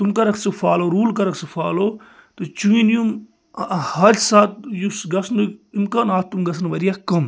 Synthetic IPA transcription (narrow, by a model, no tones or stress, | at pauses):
t̪umkɐɾɐksɨfʰaːloːɾuːlkɐɾɐksɨfʰaːloː | t̪ut͡ʃuinijum | hɐɾsaːt̪̚jusɡɐsnuimkaːnaːt̪̚ʰt̪ːumɡɐsʰnʋɐɾijaːkɐm